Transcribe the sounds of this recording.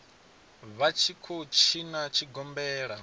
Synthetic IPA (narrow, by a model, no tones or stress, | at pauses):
βat͡ʃʰikʰot͡ʃʰinat͡ʃʰiɡɔmbɛːɺa